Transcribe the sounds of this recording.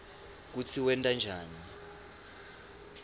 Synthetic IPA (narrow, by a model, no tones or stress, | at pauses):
k̬ut͡sʰiwɛntʼand͡ʒʱaːni